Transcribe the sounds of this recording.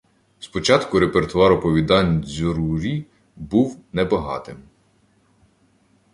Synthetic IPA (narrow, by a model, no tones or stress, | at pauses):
spɔt͡ʃɑt̪kʊɾe̞pert̪ʊɑɾɔpɔʋʲid̪ɑnʲzʲʊɾuɾʲi | buwnɛbɐɦɑ̰t̪ɪm